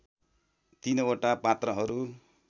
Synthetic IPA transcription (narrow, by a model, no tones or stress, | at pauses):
t̪inoʈapat̪rʌɦʌɾu